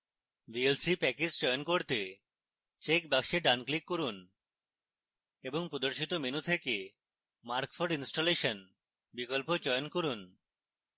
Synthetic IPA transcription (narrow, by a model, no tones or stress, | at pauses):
bielsipɛkisd͡ʑɔjonkoɾt̪e | t͡ɕekbakʃeɖanklikːoɾun | eboŋpɾod̪oɾʃit̪ominut̪ʰeke | maɾkfʰoɾɖinsʈoleʃon | bikolpod͡ʑɔjonkoɾun